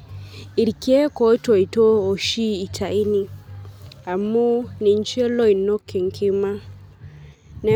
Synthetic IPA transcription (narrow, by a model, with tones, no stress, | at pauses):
i˨ɾkje˦ko˨˦to˨i˨to˦o˨ʃiː˦˨tʰa˨i˦ni˨ | a˨mu˦ni˨ɲ˦t͡ʃe˦lo˦i˨no˦kːe˨ŋ˨kʰɪ˦ma˦ | nɛ˦